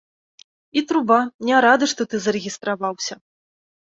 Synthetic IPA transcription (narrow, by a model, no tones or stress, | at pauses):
it̪ɾubanʲɛɾad̪ɨʂt̪ɔt̪ɨzɐɾɨɣʲist̪ɾavawsʲɐ